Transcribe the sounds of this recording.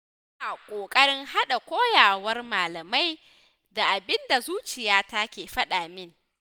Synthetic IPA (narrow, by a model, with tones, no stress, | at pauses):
zna˨kʷʼoː˨kʼɐ˦ɽɪ˦ŋha˦ɗa˨kʷoː˦jaː˨wɐ˦rmaː˨lɐ˨ma˦j | da˨ʔa˨bɪ˦nda˨zuː˦t͡ʃɪ˨jaː˦ta˦kʲeː˨ɸɐ˦ɗaː˨mɪ˦ŋ